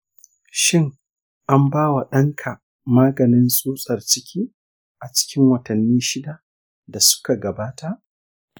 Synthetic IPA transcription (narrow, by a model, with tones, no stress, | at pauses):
ʃɪ˦ŋ | ʔa˦mbaː˦wa˨ɗɐ˦ŋkʰa˨ | maː˦ɡɐ˨nɪ˦nsʼuː˦sʼɐ˨rt͡ʃɪ˦kʲʰiː˦ | ʔa˨t͡ʃɪ̥˦kʲɪ˦ŋwɐ˨tɐ˨nːiː˦ʃɪ˦da˨ | da˨sʊ̥˦ka˨ɡɐ˨baː˦ta˨ʔ